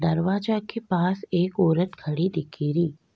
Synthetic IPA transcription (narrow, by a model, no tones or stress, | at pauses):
d̪əɾʋad͡ʒakʰepasekoːɾət̪kʰəɽid̪ɪkʰiɾiː